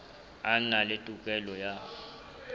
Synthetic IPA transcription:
analetʼukʼɛlɔja

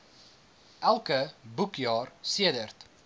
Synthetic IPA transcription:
ʔælˠkəbukjɑːrsiədərt

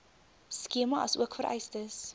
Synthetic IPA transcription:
skiəmɐʔɐ̰suəkfəɾʔɛ̰jstəs

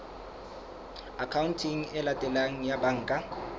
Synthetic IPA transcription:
akʰawuntʰiŋ̩ɛlatʼɛlaŋ̩jabaŋ̩ːkʼa

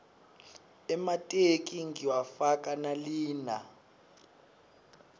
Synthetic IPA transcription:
ɛmatʼek̬ʼiŋiwafakʼanaliːna

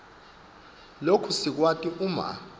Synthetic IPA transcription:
lokʰusik̬watʼiʔuma̰

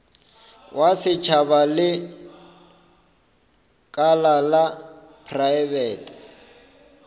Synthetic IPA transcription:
wʔasɪt͡ʃʰaβalɪ | kʼalala | pʰraɛbɛːtʼ

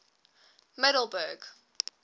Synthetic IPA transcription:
mɛɾl̩ˠbɜɡ

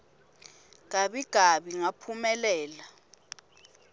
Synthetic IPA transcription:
ŋaɓiɡ̥ʱaɓiŋapʰumɛlɛːla

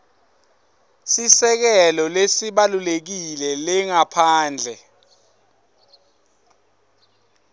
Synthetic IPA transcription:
sisɛk̬ɛlɔlesiɓalulek̬ilɛlɛŋapʰaːnd͡ɮʱɛ

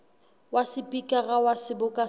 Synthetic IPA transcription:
wasɪpʼikʼaɣawasɪbʊkʼa

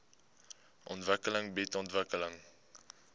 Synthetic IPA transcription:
ʔɔntvəkələŋbɛtɔntvəkələŋ

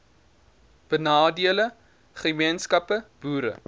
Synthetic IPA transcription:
b̥ənɑːdiələ | χəmiənskɐpəb̥uːɾə̰

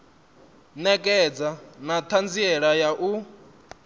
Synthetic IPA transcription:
nɛkʼɛd͡zanat̪ʰand͡ziɛɺajaʔu

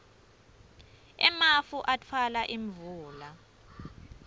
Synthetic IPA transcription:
ɛ̰mafuʔatʰwalaʔiɱvuːla

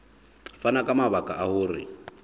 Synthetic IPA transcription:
fanakʼamaβakʼaʔahʊːrɪ̰

